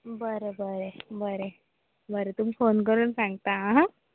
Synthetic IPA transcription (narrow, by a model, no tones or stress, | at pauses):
bəɾebəɾebəɾe | bəɾet̪umifonkəɾuːnsãŋɡt̪aɦ